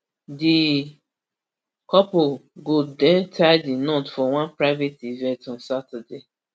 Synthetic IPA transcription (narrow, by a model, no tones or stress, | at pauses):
di | kɔpoɡodɛ̃ntʰadinotfɔwãnpɹaɪvetivɛ̃ntɔ̃nsatəde